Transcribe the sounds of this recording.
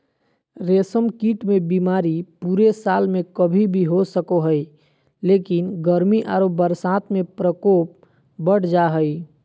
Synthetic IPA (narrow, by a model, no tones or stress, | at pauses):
ɾesəmkiʈmebimaɾipuɾesalmekəbʱibʱiɦosəkoɦəj | lekinɡəɾmiʔaɾobəɾsat̪mepɾəkop̚ | bəɽ̤d͡ʒaɦəj